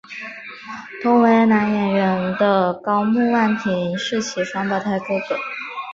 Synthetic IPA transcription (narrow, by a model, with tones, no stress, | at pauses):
t̪ʰʊ˥ŋwe˧˥ɪna˧˥njɛ˨˩nɥə˧˥nd̪ə˧kɑ˥ʊmu˥˧wa˥˩nt̪ʰi˨˥ŋʂɻ̩˥˩t͡ɕʰi˧˩ʂwa˥npɑ˨˩ʊt̪ʰa˥˩ke˥ɪkə̰˨˩˦